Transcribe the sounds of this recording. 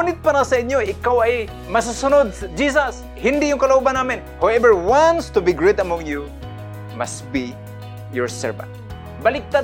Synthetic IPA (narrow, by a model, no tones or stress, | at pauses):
nɪt̪̚paɾasɐʔɪɲjoɪkawaj | mɐs̬asʊnod̪̚sd͡ʒiːs̬as | hɪnd̪ɪʔjʊŋkɐlaʔuːbanːaːmɪn | hawɛvəɹwanst̪ʊbiɡɹet̪ɐmɔ̃ŋju | mastbi | jɔɹsɛ̰ɹvã̰nt̪̚ | bɐlɪk̚t̪a